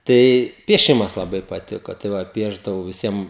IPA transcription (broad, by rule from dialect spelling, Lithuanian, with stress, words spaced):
ˈtɐɪ pʲiɛˈʃʲɪmɐs lˠɐˈbɐɪ pɐˈtʲɪkoː tɐɪ ˈʋɐ ˈpʲiɛʒdɐʋɐʊ ʋʲɪˈsʲiɛm